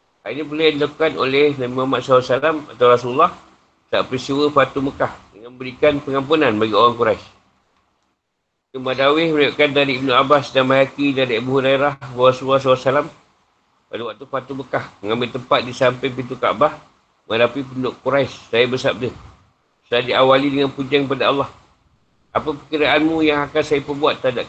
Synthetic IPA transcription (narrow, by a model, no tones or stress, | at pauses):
hainipəland͡ʒakukanolɛhnabimuamat̪̚salasalama̰t̪awɾasuləlːɑh | sa̰ʔpɾist̪iwəfat̪uməkahdəŋanmə̃bəɾikanpəŋamp̬unanbaɡioɾaŋkuɾajs | kəmadawɪhməɾajuʔkandaɾiːb̚nuabasdamajakidaɾiəbuɦuɾaɾahwaɾasulːɔhsalasalam | padawaʔ̚t̪ufat̪uməkahməŋãmbɪlt̪əmpat̪̚disampəjp̬int̪̬uka̰ʔbah | mə̃ŋadapip̬əndʊʔkuɾajsːajabəsab̚də | sdad͡ʒiawalidəŋanpud͡ʒaŋkəpadaɑlːɑh | ʔapəpəkəɾaʔanmũjaŋakansajapəbuat̪ːadaʔ